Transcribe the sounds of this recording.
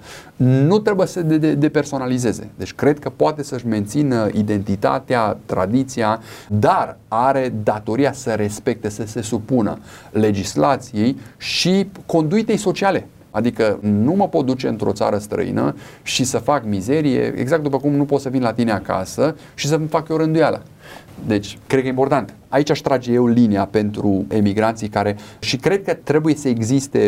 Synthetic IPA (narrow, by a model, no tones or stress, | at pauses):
nut̪ɾe̞bujesəd̪eed̪e̞pe̞rso̞nalize̞ze̞̰d̪e̞t͡ʃʲkɾe̞d̪̚kəpoat̪e̞səɨʃme̞nt̪sinid̪e̞nt̪it̪a̰t̪eat̪ɾa̰d̪it̪siad̪araɾe̞d̪at̪o̞ɾiasəɾe̞spe̞k̚t̪e̞səse̞supunə̰le̞d͡ʒislat̪sije̞jʃiko̞nd̪uit̪e̞jso̞t͡ʃiale̞ | ad̪ikənuməpo̞t̪̚d̪ut͡ʃe̞ɨnt̪ɾʔo̞t̪sa̰ɾəst̪ɾə̰ḭnə̰ʃisəfakmize̞ɾije̞̰eɡzak̚t̪d̪upəkumnupo̞t̪səvinlat̪ineaka̰sə | ʃis̬əmfakjeɾɨnd̪ujalə̰ | d̪e̞t͡ʃʲkɾed̪kəeimpo̞rt̪ant̪ | ait͡ʃaʃt̪ɾad͡ʒje̞wliniape̞nt̪ɾue̞miɡɾant̪sijkaɾe̞ʃikɾe̞d̪̚kət̪ɾe̞buje̞səeɡzist̪e̞